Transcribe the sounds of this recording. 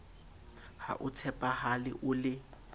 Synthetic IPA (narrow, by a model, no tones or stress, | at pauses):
ha̰ʔʊt͡sʰɛpʼahalɪ̰ʔʊlɪ